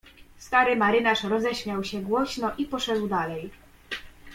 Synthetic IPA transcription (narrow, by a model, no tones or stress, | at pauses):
st̪aɾɘmaɾɘnaʂɾɔzɛɕmʲjawɕɛɡwɔɕnɔʔipɔʂɛd̪wd̪alɛj